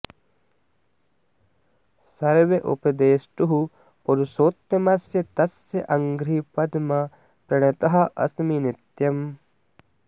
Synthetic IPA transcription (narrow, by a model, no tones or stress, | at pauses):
sɐɾʋeʔṵpɐd̪eːsʈuɦu | poɾusoːt̪jɐmɐsjɐt̪ɐsjɐʔɐŋɡɾiːpɐd̪mɐ | pɾɐɳɐt̪ɐɦɐ̆ʔɐ̰sminit̪jɐm